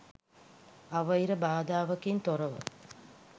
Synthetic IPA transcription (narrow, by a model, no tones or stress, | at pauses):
ɐʋɐjiɾɐbaːd̪aːʋɐkint̪orɐʋɐ̰